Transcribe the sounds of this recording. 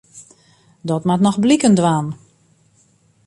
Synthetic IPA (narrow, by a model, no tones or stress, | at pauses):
dɔtmatnɔxblikəndʋaːn